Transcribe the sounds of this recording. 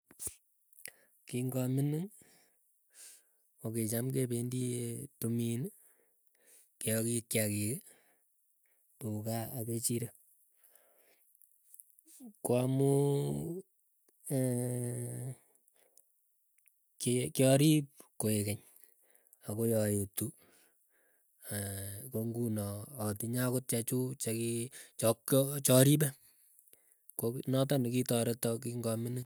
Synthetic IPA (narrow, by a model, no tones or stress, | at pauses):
kiŋɡɔminiŋ | oket͡ʃamkebendietumin | kejɔkikjakik | tukaːket͡ʃiɾa | kwamu | kekjɔɾip̚koekɛɲ | akojɔjetu | koŋɡunɔːtiɲakot̚t͡ʃɛt͡ʃut͡ʃɛkit͡ʃɔkt͡ʃɔɾibɛ | konɔt̬ɔnikitɔɾetɔk̬iŋɡɔmɪne